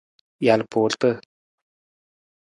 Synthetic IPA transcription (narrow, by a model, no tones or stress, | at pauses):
jalpʰoːɮt̪ə